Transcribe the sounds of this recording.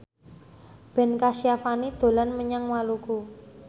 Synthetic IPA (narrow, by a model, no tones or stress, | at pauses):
b̥ɛ̤nkasiafanid̪̥o̤lanməɲaŋwaluku